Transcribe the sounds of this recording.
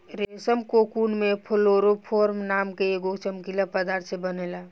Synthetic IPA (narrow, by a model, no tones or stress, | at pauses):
ɾesəmkokunmepʰoloɾopʰoɾmnamkeeɡot͡ʃəmkilapəd̪aɾt̪ʰsebənela